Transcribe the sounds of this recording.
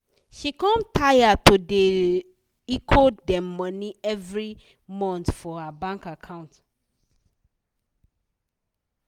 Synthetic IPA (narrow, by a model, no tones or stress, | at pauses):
ʃikɔ̃mtʰajatude | ikʰodɛmɔniɛvɹi | mɔ̃ntfɔhabãŋkakʰãʊ̃nt